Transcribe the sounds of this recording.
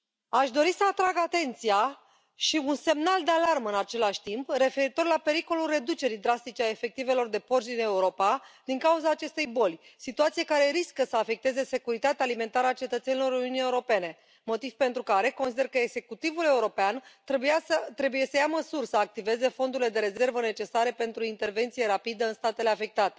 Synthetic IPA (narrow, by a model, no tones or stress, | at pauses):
aʃd̪o̞ɾisəat̪ɾaɡat̪e̞nt̪sija | ʃiunse̞mnald̪e̞alarmɨnat͡ʃe̞laʃʲt̪impre̞fe̞ɾit̪o̞rlape̞ɾiko̞lulre̞d̪ut͡ʃe̞ɾid̪ɾast̪it͡ʃeaefe̞k̚t̪ive̞lo̞rd̪e̞port͡ʃd̪ine̞uɾo̞pad̪iŋkauzaːt͡ʃe̞st̪e̞jbo̞lʲsit̪uat̪siekaɾe̞ɾiskəsəafe̞k̚t̪e̞ze̞se̞kuɾit̪at̪ealime̞nt̪aɾəat͡ʃe̞t̪ət̪se̞nilo̞ɾuniunije̞uɾo̞pe̞ne̞ | mo̞t̪iv̥pe̞nt̪ɾukaɾe̞ko̞nsid̪e̞rkəeɡz̥e̞kut̪ivule̞uɾo̞peant̪bujaət̪ɾe̞buje̞səjaməsurʲsəak̚t̪ive̞ze̞fo̞nd̪uɾile̞d̪eɾe̞ze̞rvəne̞t͡ʃe̞saɾe̞pe̞nt̪ɾuint̪e̞rve̞nt̪sije̞ɾapid̪əɨnst̪at̪ele̞afe̞k̚t̪at̪e̞̥